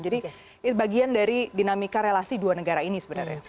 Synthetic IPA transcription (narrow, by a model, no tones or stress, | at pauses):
d͡ʒadi | baɡiandaɾidinamikaɾelasiduanəɡaɾainisəbənə̰rɲa̰